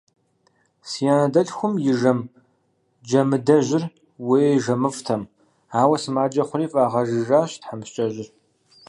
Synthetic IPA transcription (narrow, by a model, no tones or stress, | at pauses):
sijaːnɐdɐɬxʷʊmjɪʒɐm | d͡ʒɐmɨdɐʒɪr | weːʒɐmɨftʰɐm | aːwɐsɨmaːd͡ʒɐχʷʊɾiːfʼaːʁɐʒɨʒaːɕtħamɕt͡ʃʼɐʑɪr